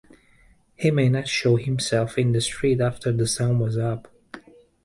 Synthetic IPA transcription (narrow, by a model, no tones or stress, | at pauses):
himeɪnɑtʃoʊhɪ̃msɛlˠfɪ̃nðɨstʰɹ̥itæftʰə˞ðəsɔ̃nwʌzʌp